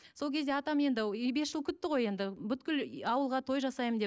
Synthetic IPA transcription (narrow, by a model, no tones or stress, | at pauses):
so̞lˠkʲʰe̞d̪eɑt̪ɑme̞nd̪ɪbe̞sʒ̥əlˠkʲʰʏt̪ːɪʁo̞je̞nd̪ɪbʏt̪kʲɪlɑwəlˠʁɑt̪ʰo̞jʒɑsɑjəmd̪e